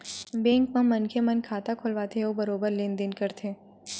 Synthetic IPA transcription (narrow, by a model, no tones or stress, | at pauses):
bẽːŋkmɐ̃mɐnkʰemɐnkʰaːt̪akʰʊlʋaːt̪ʰeobɐɾoːbəɾlɪ̃nd̪ɪnkɐɾt̪ʰeː